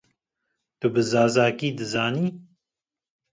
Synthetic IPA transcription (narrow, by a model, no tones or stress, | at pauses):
t̪ubɨzaːzaːkiːd̪ɨzaːniː